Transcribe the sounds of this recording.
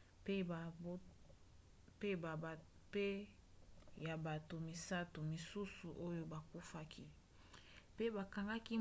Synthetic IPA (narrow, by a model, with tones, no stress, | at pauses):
p | pe˦ba˨ | pe˦ | ja˨ba˨to˨mi˨sa˦tu˨mi˨su˦su˨ʔo˦jo˦ba˨ku˦fa˦kʰi˦ | pe˦ba˨ka˨ŋɡa˦ki˦